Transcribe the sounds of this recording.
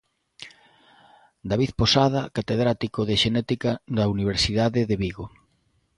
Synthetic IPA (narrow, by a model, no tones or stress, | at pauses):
d̪aβiθposað̞ɐkat̪eðɾat̪ikoðeʃenɛt̪ikad̪ɐuniβ̞eɾsiðaðɪðeβiɣo